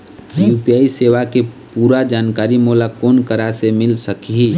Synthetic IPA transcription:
juːpijaːiseːʋakepuːɾad͡ʒaːnkaːɾimulakoːnkəɾasemɪlsəkɦi

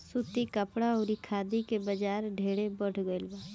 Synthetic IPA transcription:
sut̪ikəpɽaoɾikʰaːd̪ikebəd͡ʒaːɾɖʱeːɽebəɽ̤ʰʱɡoɪlbaː

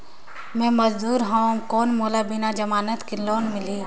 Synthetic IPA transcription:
mɛ̃ːmɐzd̪uːɾɦãkoːnmoːlabɪnad͡ʒɐmaːnət̪kiloːnmɪli

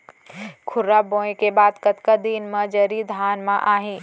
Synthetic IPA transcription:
kʰʊɾːabõekebaːd̪kət̪kəd̪inmə̃d͡ʒəɾid̪ʱaːnmãʔaːɦĩ

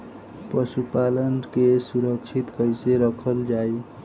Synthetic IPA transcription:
pʌsupalʌnkesuɾʌk̚t͡ʃʰit̪kʌjseɾʌkʰʌld͡ʒaj

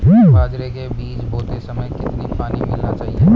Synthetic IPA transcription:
ɦũːaːd͡ʒɾekebiːt͡ʃboːt̪esɐməjkɪt̪nipaːnimɪlnat͡ʃaːɦiɦũː

